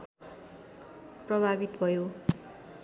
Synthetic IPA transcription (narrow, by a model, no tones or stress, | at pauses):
prʌbʱabit̪bʱʌjo